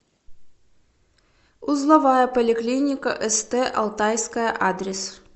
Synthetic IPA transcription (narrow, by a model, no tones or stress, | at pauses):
uzlˠɐvɑjɐpəlʲɪklʲinʲɪkəʔɛst̪ɛʔɐ̰lˠt̪ajskɐjəʔad̪ɾʲɪs